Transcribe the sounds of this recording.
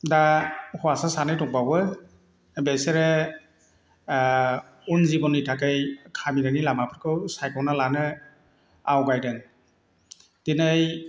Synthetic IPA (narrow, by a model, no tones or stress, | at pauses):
dahɔwasasanɯjtɔŋ̚bawbɯ | beseɾe | unzibɔnɯjtʰakɯjkʰamidanilamapʰɯɾkʰɯwsajkʰɔwnalanɯ | awɡajdɯŋ | tinɯj